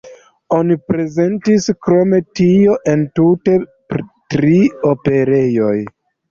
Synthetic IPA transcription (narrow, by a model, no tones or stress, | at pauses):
o̞nipɾe̞ze̞ntiskɾo̞me̞tio̞ʔe̞ntute̞ptɾiope̞ɾe̞jo̞j